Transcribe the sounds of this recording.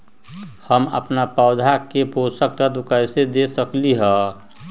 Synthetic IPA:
həmə̰pnapəːd̪ʱakeposək̚t̪ad̪ʊkəjsed̪esəkliɦɛ̃

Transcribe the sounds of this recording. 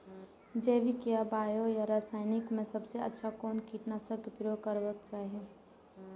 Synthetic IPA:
d͡ʒɛːʋikijabaːjojaɾaːsaːɪnɪkmẽsɐbseə̰tːʃʰakɔːnkiːʈnasəkpɪɾokəɾʋək̚t͡ʃaːɦie

